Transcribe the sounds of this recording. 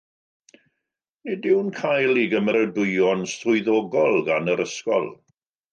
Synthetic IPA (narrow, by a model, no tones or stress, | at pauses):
nidɪwnkʰajlˠiɡəməɾədʊjɔnstʊɨðɔːɡɔlˠɡanəɾəskɔ̰lˠ